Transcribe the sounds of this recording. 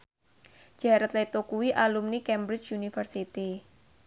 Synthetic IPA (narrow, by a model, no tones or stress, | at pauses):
d͡ʒ̥a̤ɾat̪let̪okuwiʔalumnikɛmbɾɪt͡ʃunifərsit̪i